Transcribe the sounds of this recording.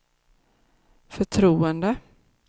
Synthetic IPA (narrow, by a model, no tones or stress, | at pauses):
fœʈʰɾuːənd̪ə